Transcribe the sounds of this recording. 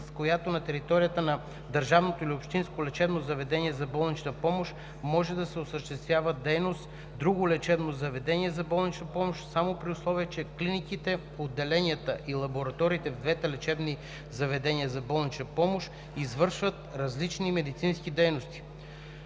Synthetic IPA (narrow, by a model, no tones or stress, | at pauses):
skojat̪onɐt̪ɛɾit̪ɔɾijət̪ənɐ | d̪əɾʒavnot̪oilʲiopʃt̪inskolɛt͡ʃɛbnozɐvɛd̪ɛniɛzɐbɔlˠnit͡ʃnəpɔmoʃ | mɔʒɛd̪ɐsɛosəʃt̪ɛst̪vʲjavəd̪ɛjnost̪ | d̪ɾuɡolɛt͡ʃɛbnozɐvɛd̪ɛniɛzɐbɔlˠnit͡ʃnɐpɔmoʃsamopɾiʊslˠɔviət͡ʃɛklinikit̪ɛ | od̪ːɛlɛnʲiət̪əʔilˠɐboɾɐt̪ɔɾiːt̪ɛvd̪vɛt̪ɛlɛt͡ʃɛbni | zɐvɛd̪ɛniəzɐbɔlˠnit͡ʃnəpɔmoʃ | izvɤɾʃvət̪ɾɐzlit͡ʃnimɛd̪it̪sinskid̪ɛjnost̪i̥